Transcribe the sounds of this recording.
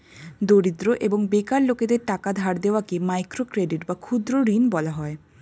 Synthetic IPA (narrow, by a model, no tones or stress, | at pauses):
d̪oɾid̪ɾoʔeboŋbekaɾloked̪eɾʈakad̪ʱaɽd̪eoakemajkɾokɾeɖiʈbakʰud̪ɾoɾinbɔlaɦɔe